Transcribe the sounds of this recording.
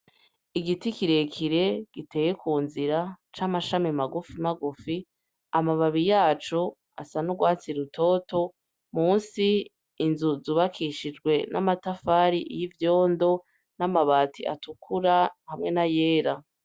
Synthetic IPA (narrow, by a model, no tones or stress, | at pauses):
iɡitikiɾe̞kʰiɾe̞ɡ̥ite̞ːje̞kuːnziɾat͡ʃamaʃamimaɡufimaɡufi | amaβaβijaːt͡ʃo | a̰sanuɡwaːt͡siɾutʰo̞ːto̞ | muːnsiː | nzuzuːβakʰiʃid͡ʒɡwe̞nʔa̰matafaːɾiʔijivjo̞ːndo̞ | namaβaːtḭʔa̰tukʰuɾahamŋe̞naje̞ːɾa